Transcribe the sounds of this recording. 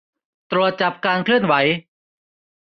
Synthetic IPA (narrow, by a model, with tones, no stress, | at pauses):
t̪ɾu˨˩ət̪̚t͡ɕa˨˩p̚kaː˧nkʰlɯ˥˩ənwa˩˦j